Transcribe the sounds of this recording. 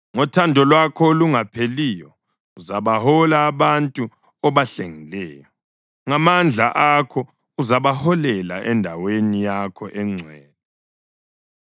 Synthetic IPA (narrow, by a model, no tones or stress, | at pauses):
ŋɔtʰandʱɔlwakʰɔluŋapʰeliːjɔ | uzaβahɔlaːβantʼu | ɔβaɬeŋilɛːjɔ | ŋamand͡ɮʱa̰ʔakʰɔ | uzaβahɔlɛla̰ʔɛndʱawenijakʰɔʔɛŋ͡ǀʱwɛːlɛ